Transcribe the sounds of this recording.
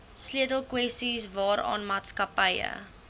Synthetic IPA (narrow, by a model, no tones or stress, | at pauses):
sliətəlˠkwɛstisvɑːɾɑ̰ːnmɑːtskɐpəjə̰